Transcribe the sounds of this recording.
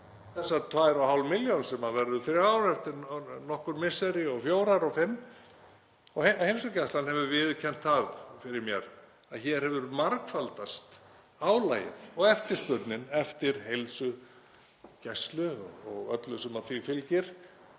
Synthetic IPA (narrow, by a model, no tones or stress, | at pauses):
θɛsːat̪ʰvaːjɾahawlmɪljonsɛmaðvɛɾðʏθɾaːwɾɛft̪ɪɾnɔhkʏɾmɪsɛɾɪɔɣfjoːwɾaɾɔfɪmː | ɔɣhehejlsʏcajst̪lanhɛvʏvɪðcʰɛn̥t̪aðfɪɾɪɾmjɛɾ | aðçɛːɾ̥hɛvʏɾmaɾkfalt̪ast̪ | aːwlaːjɪ̰ðɔɣɛft̪ɪɾ̥spʏt̪nɪnɛft̪ɪɾ̥hejlsʏ | cajst̪lʏɔɔɣœ̰t̪lʏsʏmaθʰvifɪlcɪɾ̥